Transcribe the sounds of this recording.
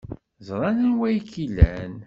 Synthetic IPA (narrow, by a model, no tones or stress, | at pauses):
zˤɾˤɑnənwæjkːilːæ̰n